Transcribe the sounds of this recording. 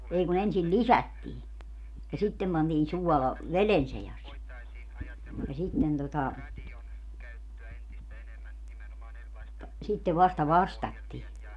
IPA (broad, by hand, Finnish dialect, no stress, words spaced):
ei kun ensil lisætːiː jɑ sitːem pɑntiːn suɔlɑ ʋelen sejɑs jɑ sitːen totɑ sitːeʋ ʋɑstɑ ʋɑstɑtːiː